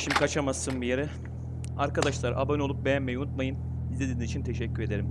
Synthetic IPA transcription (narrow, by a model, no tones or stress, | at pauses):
ʃimd̪ikʰat͡ʃʰamasːɯnbijeɾi | aɾkad̪aʃlˠaɾʔa̰bano̞lˠup̚bejænmɛjunut̪̚majɯn | ized̪inizit͡ʃʰint̪ʰe̞ʃɛcːyɾe̞d̪e̞ɾim